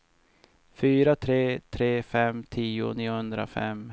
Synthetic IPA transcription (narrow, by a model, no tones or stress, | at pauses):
fyːɾat̪ʰɾeːt̪ʰɾeːfɛmt̪ʰiːʊ̰niːʊhɵnd̪ɾa̰fɛ̰m